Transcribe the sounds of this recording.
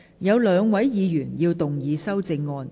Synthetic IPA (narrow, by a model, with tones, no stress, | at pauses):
jɐ˨˧wlœː˨˧ŋwɐ˨˥jjiː˨˧jyː˨˩njiː˧wt̪ʊ˨ŋjiː˨˧sɐ˥wt͡sɪ˧ŋːɔː˧n